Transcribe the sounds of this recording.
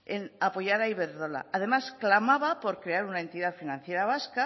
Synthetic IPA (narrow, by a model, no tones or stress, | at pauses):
enapo̞jaɾaiβeɾðola̰að̞e̞masklamaβapo̞ɾkɾe̞aɾunae̞nt̪iðafinãnθje̞ɾaβ̞aska